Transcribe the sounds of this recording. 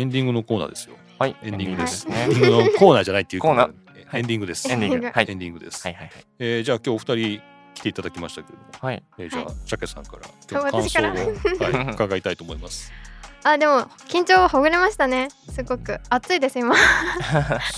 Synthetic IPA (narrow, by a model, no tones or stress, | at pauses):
ẽ̞nd̪ʲĩŋɡɯno̞ko̞ːna̰ːd̪e̞sɨjo̞̰ | haiẽnd̪ʲĩɡɯd̪essneiŋɡɯnokoːnaːd͡ʑanait̪ːeiɯ̟koːna̰ | haẽnd̪ʲĩŋɡɯ̟d̪e̞sɨ̥̃d̪iɡhaiẽnd̪ʲĩŋɡɯ̟d̪e̞sɨ̥aihahaieːd͡ʑaːkʲo̞ːɸɯ̥t̪aɾʲi | kʲi̥t̪e̞it̪ad̪akʲimaɕi̥t̪ḁkeɾed̪omohaied͡ʑa̰ːɕakesã̰ŋkaɾa̰kʲoːatãisaoɾaːohaikaɡait̪ait̪oːmo̞imasɨ̥ad̪e̞mo̞kʲĩɲ̟t͡ɕo̞ːahoɡɯ̟ɾe̞maɕi̥t̪ane̞sɨɡo̞kɯ̟at͡sɨid̪esɨima